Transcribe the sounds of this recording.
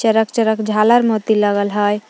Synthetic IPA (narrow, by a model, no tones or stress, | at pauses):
əɾək̚t͡ʃəɾəkd͡ʒʱaləɾmot̪iləɡəlɦəj